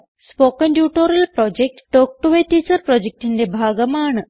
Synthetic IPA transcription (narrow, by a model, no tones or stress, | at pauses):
spokənɖjuʈoɾəlpɾɔd͡ʑek̚ʈʈok̚ʈuʋeʈiːt͡səɾpɾɔd͡ʑek̚ʈind̪ebʱaɡəmaːɳ